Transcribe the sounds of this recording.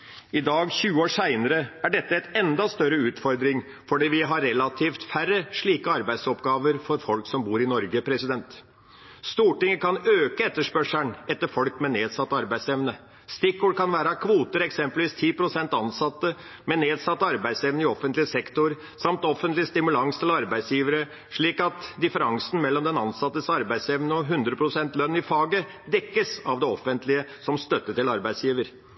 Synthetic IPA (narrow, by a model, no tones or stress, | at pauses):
ɪd̪ɑːɡçʉːəoːsæɪnəɾəæɖɛt̪ːəɛt̪ɛnd̪ɑst̪œɾəʉːt̪fɔɾd̪ɾɪŋ | fɔɖiːʋɪɦɑɾɛlɑt̪ʰiːft̪færəʂɭiːkəɑɾbæɪd̪sɔpɡɑːʋəɾfɔɾfɔlksɔmbuːɾɪnɔɾɡəpʰɾɛsɪd̪ɛnt̪ | st̪uːʈɪŋəkɑnøːkəɛt̪ːəʂpœʂæɳɛt̪ːəɾfɔlkmɛneːd̪sɑt̪ːəɑɾbæɪd̪sɛʋnə | st̪ɪkːuːɖkʰɑnʋæːɾəɑkʰʋuːt̪əɾɛksɛmpəlʋiːst̪ʰiːpɾʊsɛnt̪ɑnsɑt̪ːə | mɛneːd̪sɑt̪ːəɑɾbæɪd̪sɛʋnəɪɔfənt̪lɪəsɛkt̪ʊɾ | sɑmt̪ɔfənt̪lɪəst̪ɪmʉlɑŋst̪ʰɪlɑɾbæɪd̪sjiːʋəɾə | ʂɭiːkɑt̪d̪ɪfəɾɑŋsn̩mɛlːɔmd̪ɛnɑnsɑt̪ːəsɑɾbæɪd̪sɛʋnəɔɦʉnd̪ɾəpʰɾʊsɛnt̪lœnːɪfɑːɡəd̪ɛkːəsɑʋd̪ɛɔfənt̪ʰlɪəsɔmst̪œt̪ːəʈɪlɑɾbæɪsjiːʋəɾ